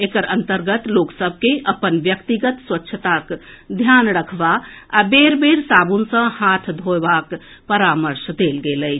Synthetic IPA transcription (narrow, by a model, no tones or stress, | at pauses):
ekəɾənt̪əɾɡət̪loksəbʱkeʔəpənbjəkt̪iɡət̪swətːʃʰət̪ak | d̪ʱjanɾəkʰbaabeɾbeɾsabunsə̃hat̪ʰd̪ʱobak | pəɾaməɾsd̪elɡeləjt͡ʃʰ